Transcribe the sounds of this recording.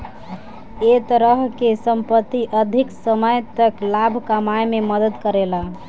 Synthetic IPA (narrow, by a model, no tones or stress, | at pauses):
et̪əɾəɦkesəmpət̪ːiʔəd̪ʱiksəməjt̪əklabʱkəmajmeməd̪əd̪kəɾela